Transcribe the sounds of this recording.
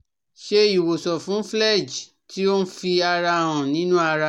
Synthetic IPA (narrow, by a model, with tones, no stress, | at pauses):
ʃe˦i˨wo˨sɔ˨fũ˨˦flɛ˦˨d͡ʒ | ti˦o˦n̩˦fi˧a˧ɾa˧hã˨nĩ˨˦nũ˦a˧ɾa˧